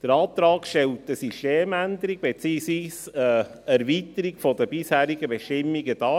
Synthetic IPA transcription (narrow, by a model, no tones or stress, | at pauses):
d̥əɾɑːt̪ɾɑːkʃtɛltəsyʃteːmænd̪əɾiɡ̚b̥et͡siːsʋiːsə | æɾvit̪əɾiɡfɔdəb̥ɪshæːɾiɡəbɛʃtɪmːiɡəd̥ɑː